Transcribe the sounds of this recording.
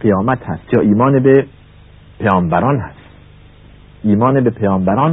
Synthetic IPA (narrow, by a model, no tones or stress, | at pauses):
qijɒːmæt̪hæst̪jɒːʔiːmɒːnebe | pʰejɒːmbæɾɒːnhæst̪ | iːmɒːnebepʰejɒːmbæɾɒːn